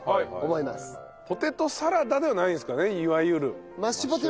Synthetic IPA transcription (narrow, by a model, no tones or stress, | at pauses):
omoimasɨ̥ | po̞t̪e̞t̪o̞saɾad̪ad̪e̞βanaĩsɨ̥kane̞iβajɯ̟ɾɯ̟ | maɕipot̪̬e